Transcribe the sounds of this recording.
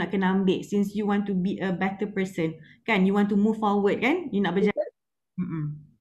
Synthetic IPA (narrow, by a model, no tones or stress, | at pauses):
nɔʔ̚kənaãmbeʔsĩnsjuwɔ̃ntubiʔəbɛt̪əpəsə̃n | kɛ̃njuwɔ̃ntumuffɔwəd̚kãnjunɔʔ̚bəd͡ʒa | m̩ʔm̩